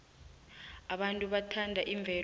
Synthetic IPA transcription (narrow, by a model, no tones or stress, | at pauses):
aɓantʼuɓatʰandʱaʔiɱb̪vʱɛ